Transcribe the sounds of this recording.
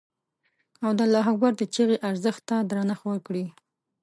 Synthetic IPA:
awd̪əlɑɦaɡwaɾd̪ət͡ʃeɣeʔaɾzəxt̪ːad̪ɾɑnaxwəɾkɽi

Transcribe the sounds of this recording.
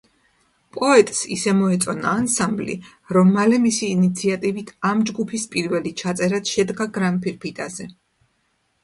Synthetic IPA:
pʼɔɛt̪ʼsḭsɛmɔɛt̪sʼɔnaːnsamblḭ | ɾɔmːalɛmisiːnit̪sʰiat̪ʼivit̪ʰamd͡ʒɡupʰispʼiɾvɛlit͡ʃʰat̪sʼɛɾad̪̥ʃɛd̪ɡaɡɾanpʰiɾpʰit̪ʼazɛ

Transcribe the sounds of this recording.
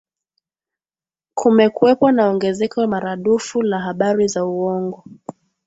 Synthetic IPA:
kʰumɛkuɛpwanaɔŋɡɛzɛkɔamaɾaɗufulaɦaɓaɾizauwɔŋɡɔ

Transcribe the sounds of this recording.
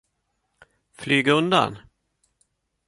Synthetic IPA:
flyːɡaɵnd̪a̰n

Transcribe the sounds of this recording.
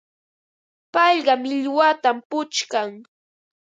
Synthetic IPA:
pɑʎɢɑmɪʎwat̪ampʊt͡ʃkaŋ

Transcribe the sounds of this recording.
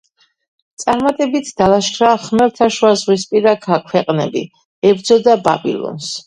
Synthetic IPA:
t̪sʼaɾmat̪ʼɛbit̪ʰd̪̥alaʃkʰɾaχmɛɾt̪ʰaʃwazʁwispʼiɾakʰakʰwɛqʼnɛbḭ | ɛbd̪zɔd̪aba̰bḭlˠɔ̰ns

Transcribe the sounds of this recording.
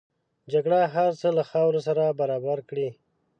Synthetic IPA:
d͡ʒaɡɽaɦaɾt͡səlaxɑwɾos̬aɾabaɾɑbaɾkɽi

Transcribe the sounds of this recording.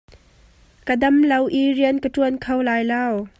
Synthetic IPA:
kədɐmlɐwʔiriənkətuənkʰɐwlaːjlɐw

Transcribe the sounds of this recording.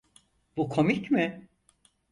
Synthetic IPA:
b̥ukʰo̞micmɪ

